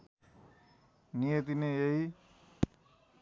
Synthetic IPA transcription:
nijet̪ineei

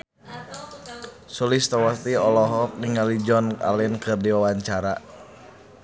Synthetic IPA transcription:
sulist̪ɔwat̪iɔlɔɦɔk̚niŋalid͡ʒɔna̰lɛnkɨrdiwawaɲt͡ʃaɾa

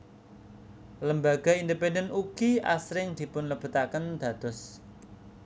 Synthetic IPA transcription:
ləmbaɡ̥a̤ind̪ependənuɡ̥iʔa̰sɾɪŋd̪̥i̤pʊnləb̥ṳt̪akənd̪̥ä̤d̪̥ɔ̤s

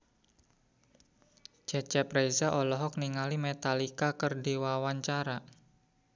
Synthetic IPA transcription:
d͡ʒat͡ʃɛpɾajzaʔɔlɔɦɔk̚niŋalimet̪alikakərdiwawaɲt͡ʃaɾa

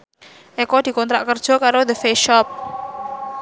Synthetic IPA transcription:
ʔekɔd̪̥i̤kɔnt̪ɾaʔkərd̥ʒ̥ɔ̤kaɾod̪əfeʃɔp̚

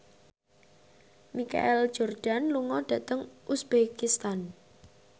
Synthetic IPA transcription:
mika̰ʔɛl̥d͡ʒord̥anluŋɔɖ̥ä̤t̪əŋʔusb̥ekist̪an

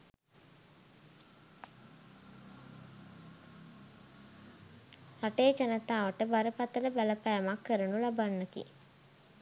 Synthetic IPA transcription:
haʈeːt͡ʃanət̪aːʋəʈəbaɾəpat̪ələbæləpæːmakːəɾənulabanːəkḭ

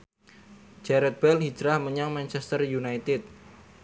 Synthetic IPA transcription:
d͡ʒɛɾɛt̪̚b̥ɛlhid͡ʒɾahməɲaŋmant͡ʃɛst̪ərjunajt̪ɪt̪̚

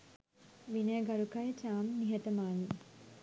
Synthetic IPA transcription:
ʋineːɡɐɾukajt͡ʃaːmniɦət̪əmaːni

